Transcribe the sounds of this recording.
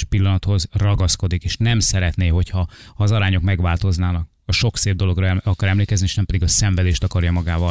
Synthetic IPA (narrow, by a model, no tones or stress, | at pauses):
pilːɒnɒt̪ho̞zrɒɡɒsko̞d̪ikeːʃnɛmsɛɾɛt̪neːɦo̞chɒhɒːzɒɾaːɲo̞kmɛɡʋaːlt̪o̞znaːnɒk | ɒʃo̞kseːb̚d̪o̞lo̞ɡrɒɒkɒɾɛmleːkɛznieːʃnɛmpɛd̪iɡɒsɛɱvɛd̪eːʃt̪ɒkɒrjɒmɒɡaːvɒ